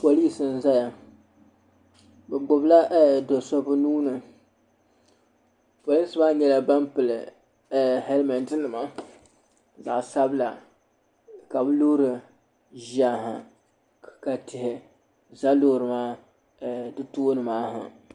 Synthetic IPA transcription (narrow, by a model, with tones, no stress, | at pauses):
po˨li˦sɨ˨n̩˦za˦ja˨ | bɛ˨ɡ͡bʊ˨bla˦ʔdo˨sɔ˦bɨ˦nuː˦nɨ˨ | po˨li˦sɨ˨baː˦ɲɛ˨la˨ba˦mpɨ˨lɨ˨ | hɛ˦lma˨ntɨ˦nɨ˨ma˨ | za̰˨ʔsa˦bla˨ | ka˨bɨ˦loː˦ɾɨ˨ | ʒa˦ɦɨ˨ | ka˨tɪ˨hɪ˨ | za˦loː˦ɾɨ˨maː˦˨ | dɨ˦toː˦nɨ˨maː˦ɦɨ̰˨